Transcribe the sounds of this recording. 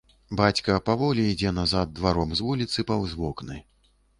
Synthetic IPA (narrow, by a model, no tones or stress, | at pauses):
bat͡sʲkɐpavɔlʲiid͡zʲɛnazad̪̚ːvaɾɔmzvulʲit̪sɨpawzvɔknɐj